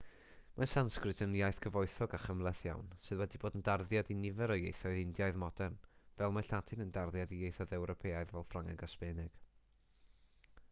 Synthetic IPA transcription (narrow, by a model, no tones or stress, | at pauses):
masanskrɨdʰənjajθkʰəvɔɨθɔɡaχəmlˠɛθja̰wnsɨðwɛdiboːdəndarðjadinɪvɛɾɔjejθɔɨðɪndjaɨðmɔd̥ɛrnvɛlˠmaɬadʰɪnəndarðjadijejθɔjðɛwɾɔpʰeːajðvɛlˠfraŋɛ̰ɡaspɛnɪɡ̥